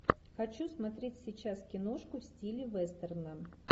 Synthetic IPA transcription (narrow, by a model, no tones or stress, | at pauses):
xɐt͡ɕusmɐt̪ɾʲetʲsʲɪt͡ɕaskʲɪnoʂkʊfsʲtʲilʲɪvɛst̪ərnə